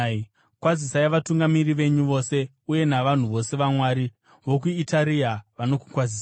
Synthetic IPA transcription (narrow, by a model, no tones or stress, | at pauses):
kwazisajʋatuŋɡamiriʋe̞ɲuʋo̞se̞ | uje̞naʋan̤uʋo̞se̞ʋamwaːɾi | ʋo̞k̬uitaɾiaʋano̞ku̥kwaziːsaa